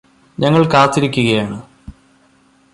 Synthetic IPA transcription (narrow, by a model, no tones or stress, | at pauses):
ɲɐŋːɐɭkaːt̪ːiɾikʲːuɣɐjaːɳɨ